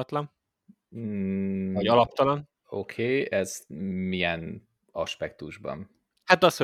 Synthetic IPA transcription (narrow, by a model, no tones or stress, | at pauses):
ɒt̪lɒn | ɒɒlɒp̚t̪ɒlɒn | o̞kʰeːɛzmijɛn | ɒʃpɛk̚t̪uʒbɒ̰n | hat̪ɒsho